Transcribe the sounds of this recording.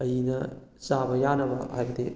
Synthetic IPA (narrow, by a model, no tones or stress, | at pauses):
ɐjinɐsabɐjanɐbɐhajbɐd̪e